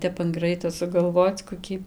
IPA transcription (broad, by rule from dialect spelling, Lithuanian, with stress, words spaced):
ˈtʲɛp ɐn ˈɡrɐɪtoː sʊɡɐlˠˈʋoːt͡s koːˈkʲiː